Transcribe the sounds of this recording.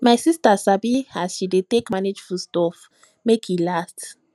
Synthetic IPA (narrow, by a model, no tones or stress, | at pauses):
majsistasabiasʃidetekmaned͡ʒfustɔf | mekʰilast